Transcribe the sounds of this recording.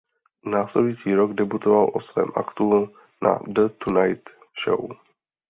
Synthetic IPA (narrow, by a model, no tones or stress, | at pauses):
naːslɛdujit͡siːɾoɡdɛbut̪ovalʔosvɛ̰ːmʔa̰kt̪u | na̰dət̪unajt̪ | ʃo̰w